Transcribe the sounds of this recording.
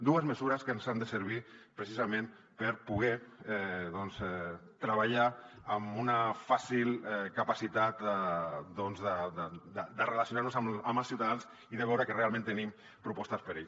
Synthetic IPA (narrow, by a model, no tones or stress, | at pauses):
d̪uəzməzuɾəskənzand̪əsəɾβ̞ipɾəsizamẽn | pəɾpuɣ̞ɛɛðɔnzɛt̪ɾəβaʎaː | munəfasilˠɛkəpasit̪at̪ | d̪ɔnzðəd̪əd̪əd̪ərəlasjunaɾnuzaməməlˠsiwt̪aðanz | iðəβɛwɾəkərealˠmẽnt̪ənim | pɾupɔst̪əspəɾeʎ